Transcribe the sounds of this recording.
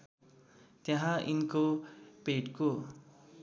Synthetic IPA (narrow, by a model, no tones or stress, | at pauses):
t̪jaɦãʔinkopeʈko